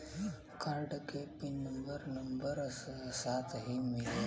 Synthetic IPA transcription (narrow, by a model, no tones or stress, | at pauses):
kãɖkepinːəmbəɾnəmbəɾssat̪ʰɦimile